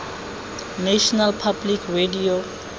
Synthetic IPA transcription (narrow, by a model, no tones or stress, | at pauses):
nɛʃɔnalpʰablikʰredio